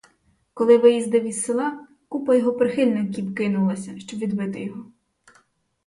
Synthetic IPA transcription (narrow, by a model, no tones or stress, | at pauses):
kɔlˠɪʋɪjizd̪ɪʋʲizsɪlˠɑ | kupɐjɔɦɔpɾɪxɪlʲnɪkʲiwkɪnʊlˠɐsʲɐʃt͡ʃɔbʋʲid̪bɪt̪ɪjɔɦɔ